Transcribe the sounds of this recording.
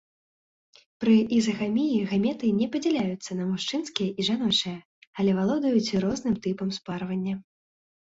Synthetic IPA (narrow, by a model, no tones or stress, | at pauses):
pɾɨʔizɐɣamʲijiɣamʲɛt̪ɨnʲɛpɐd͡zʲɛlʲajut̪sːɐnɐmuʂt͡ʂɨnskʲijɐʔiʐanɔt͡ʂɨjɐ | alʲɛvalˠɔd̪ɐjut͡sʲɾɔznɨmt̪ɨpɐmsparvɐnʲːɐ